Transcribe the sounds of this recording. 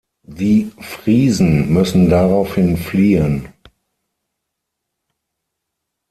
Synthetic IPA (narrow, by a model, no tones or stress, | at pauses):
diːfʁ̥iːzn̩mʏsn̩daʁaʊfhɪnfliːən